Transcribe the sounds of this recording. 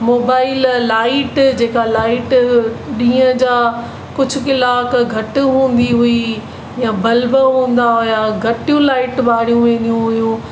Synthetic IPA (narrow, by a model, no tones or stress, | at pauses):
moːbaːɪlːaːɪʈd͡ʑeːkalaːɪʈɗĩːə̃d͡ʑaː | kʊd͡ʑʱʊkɪlaːkɡʱɐʈɦũːn̆d̪iɦʊi | jãbɐlbəɦũːn̆d̪aɦʊjaɡʱɐʈijũlaːɪʈɓaːɽijũʋẽːnijũɦʊjũ